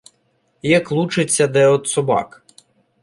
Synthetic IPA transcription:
jɐklˠut͡ʃɪt͡sʲːɐd̪ɛɔt̪sɔbɑ̰k

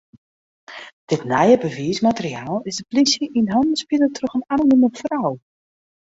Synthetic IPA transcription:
d̥ɪtnajəbəviəsmatəriaːlˠɪzdəplisjəʔinɦɔndənspidətʰrøxənanonyməfraw

